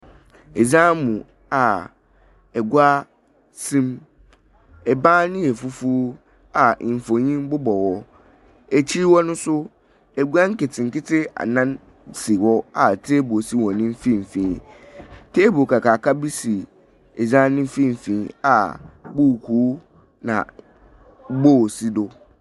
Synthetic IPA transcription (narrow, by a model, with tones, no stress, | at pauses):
ɛ˨zã˦mũ˨ | a˨ | ɛ˨ɡu˦a˦ | sĩ˦m | ɛ˨bãː˦nɪ̃˦ɛ˨fu˦fu˦ | a˨fõ˨ɲĩ˦m˦bʊ˦bɔ˨wɔ˦ | ɛ˨t͡ɕʰi˦wɔ˦nʊ̃˦sʊ˦ | ɛ˨ɡu˦a˦ŋ̩˦kɪ˨tʰɪ˨ŋ̩˨kɪ˦tʰɪ˦a̰˨nã˦n | si˨wɔ˦a˨tʰe˦bu˨o˨si˦wɔ̃˨nɪ̃˦m̩˦fĩ˦m̩˨fĩ˨˦ | tʰeː˦bo˨kʰa˨kʰaː˨kʰa˦bi˦si˨ | ɛ˨d͡ʑã˦nɪ̃˦m̩˦fĩ˦m̩˨fĩ˦a̰˨bu˦˨kʰuː˨˦ | nã̰˨ | bo˦˨si˦dʊ˦